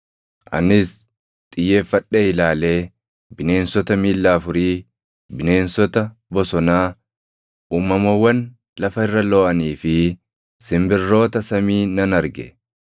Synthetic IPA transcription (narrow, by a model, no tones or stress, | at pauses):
ʔɐ̰nɪs | t̪ʼɪjːeːfːɐᶑːeːɪlaːle̞ː | bɪne̞ːnsɔt̪ɐmiːlːaːfʊɾiː | bɪne̞ːnsɔt̪ɐbɔsɔnaː | ʔuːmːɐmɐwːɐn | lɐfɐɪrːɐloːʔɐniːfɪ | sɪmbɪrːo̞ːt̪ɐsɐmiːnɐnɐɾɡɛ̰